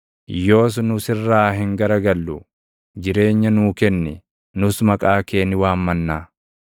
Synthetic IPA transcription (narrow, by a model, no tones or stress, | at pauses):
jo̞ːs̬nʊsɪrːaːɦɪŋɡɐɾɐɡɐlːʊ | d͡ʒɪɾe̞ːɲːɐnuːkɛnːɪ | nʊsmɐkʼaːkeːnːɪwaːmːɐnːaː